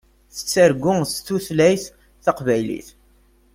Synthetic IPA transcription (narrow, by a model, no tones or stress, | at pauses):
θə̥t͡sːəɾɡʊŋst̪ːuθlæjθ | θɑqvæjlḭθ